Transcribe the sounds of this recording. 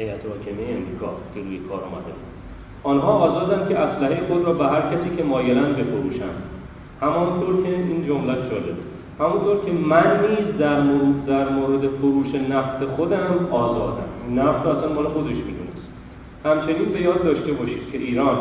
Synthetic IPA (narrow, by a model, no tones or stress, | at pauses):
hejʔæt̪ʰvɒːcʰemejeemɾiːkʰɒ̰ːcʰeɾujekʰɒːɾɔ̰ːmæ̰d̪ḛbud̪ | ɒːnɦɒːɒːzɒːd̪ænd̪cʰʲe̞ʔæslæɦejexod̪ɾɒːbeɦæɾcʰæsiːcʰe̞mɒːjelænbe̞foɾṵːʃæ̰n | hæmɒnt̪ʰoɾcʰeiːnd͡ʒomlæʃd͡ʒɒːlebe | hæmunt̪ʰoɾcʲʰe̞mænːiːzd̪æɾmod̪æɾmoːɾe̞d̪e̞foɾuːʃe̞næfse̞xod̪æmɒːzɒːd̪æ̰ninnːæfsoæsænmɒːlexod̪eʃmid̪unest̪ | hæmt͡ʃʰe̞niːnbe̞jɒːd̪ːɒːʃt̪e̞bɒːʃiːd̪̥cʲʰe̞ʔiːɾɒːn